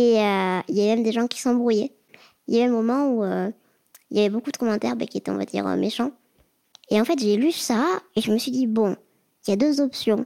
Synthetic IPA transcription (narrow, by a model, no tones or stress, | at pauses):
eøiljavɛmɛmd̪eʒɑ̃kʲi̥sɑ̃bʁujɛ | iljavɛmomɑ̃uø | iljavɛbokud̪əkɔmɑ̃t̪ɛʁbɛ̰kʲiet̪ɛɔ̰̃va̰d̪ḭːʁø̰mʔeʃɑ̃ | eɑ̃fɛt̪ʒelysaeʒəməsɥid̪ibɔ̃ | iljad̪øzɔpsjɔ̃